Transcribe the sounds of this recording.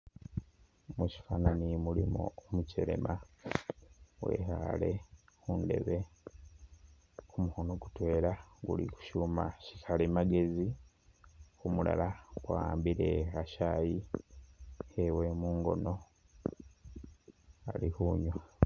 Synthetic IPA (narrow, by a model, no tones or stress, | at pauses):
muci̥faːnanimulimṵomuceɾe̞̰ma | we̞̰ha̰le̞kunde̞̰βe̞ | omuhonoɡutwe̞ːɾaɡulḭku̥ʃuːmacikʰalemaɡe̞zi | umula̰laɡwaːmbiɾe̞haʃaji | ewe̞muːŋɡo̞̰no̞ | a̰lihuːɲwa